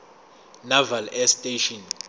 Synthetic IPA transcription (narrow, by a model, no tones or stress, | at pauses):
navalɛstʼeʃɔn